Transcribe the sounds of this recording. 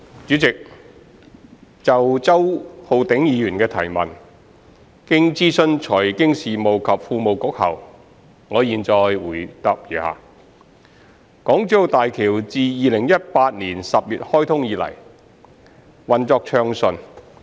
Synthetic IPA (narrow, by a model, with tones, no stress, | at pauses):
t͡ʃyː˨˥t͡sɪ˨k̚ | t͡sɐ˨wt͡sɐ˥who˨˧wt̪ɪ˨˥ŋjiː˨˧jyː˨˩nkɛː˧t̪ʰɐ˨˩jmɐ˨n | kɪ˥ŋt͡siː˥sɵ˧nt͡ʃʰɔː˨˩jkɪ˥ŋsiː˨˩mo˨˩wkʰɐ˨p̚fuː˧mo˨wkʊ˨˥k̚hɐ̰˨˩w | ŋɔː˨˧jiː˨nt͡sɔː˧jwuː˨˩jt̪a˨˧p̚jyː˨˩ha̰ː˨˧ | kɔː˨˥ŋt͡sy˨˥jo˨˧t̪aː˨jkʰiː˨˩wt͡siː˨˧jiː˨˧lɪ˨˩ŋjɐ˥t̚paː˧t̚niː˨˩nsɐ˨p̚jyː˨t̚hɔː˥jt̪ʰʊ˥ŋjiː˨˧lɐ̰˨˩j | wɐ˨nt͡sɔː˧k̚t͡ʃʰœː˧ŋsɵ˨n